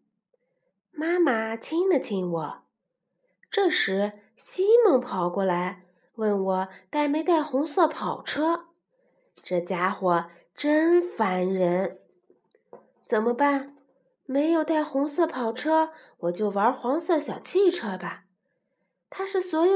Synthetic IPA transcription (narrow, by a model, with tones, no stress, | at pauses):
ma˥ma˨˩t͡ɕʰi˥ŋd̪ə˨t͡ɕʰi˧˥ŋwɔ˨˩˦ | ʈ͡ʂɤ˥˩ʂɻ̩˧˥ | ɕi˥mɤ˥˧ŋpʰɑ˨˩ʊkwɔ˥˩la˧˥ɪ | wə˥˩nwɔ˨˩˦t̪a˥˩ɪme˧˥ɪt̪a˥˩ɪxʊ˧˥ŋsɤ˥˩pʰɑ˨˩ʊʈ͡ʂʰɤ˥ | ʈ͡ʂɤ˥˩t͡ɕja˥xwɔ˨˩ | ʈ͡ʂə˥nfa˧˥nɻə˧˥n | t͡sə˨˩nmə˦pa˥˩n | me˧˥ɪjo˨˩ʊt̪a˥˩ɪxʊ˧˥ŋsɤ˥˩pʰɑ˨˩ʊʈ͡ʂʰɤ˥ | wɔ˨˩t͡ɕjo˥˩ʊwə˞˧˥xwɑ˧˥ŋsɤ˥˩ɕjɑ˨˩ʊt͡ɕʰi˥˩ʈ͡ʂʰɤ˥ba˩ | t̪ʰa˥ʂɻ̩˥˩swɔ˧˥jo˨˩